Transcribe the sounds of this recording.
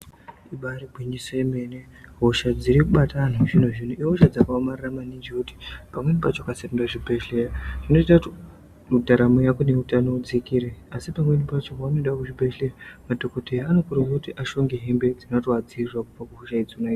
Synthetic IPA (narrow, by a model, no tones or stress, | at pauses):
iɓaɾibʱwiɲisoeme̞ːne | ɦoʃad͡ziɾikuɓatan̤uʐin̤uʐin̤uʔiɦoʃad͡zakaomariramanid͡ʒuti̥pamwe̞nipat͡ʃokasendaʐibʱeʃejaʐ̥ino̞t͡ʃitati | udʱaɾamojakone̞utano̞d͡zikiɾeasipamwenipat͡ʃokanoɗakuʐibʱeʃejamadokotejaːnokurokutiʔaʃo̞ŋɡeɦembe̞d͡zinatoad͡zirwakupakuɦoʃaid͡ziunai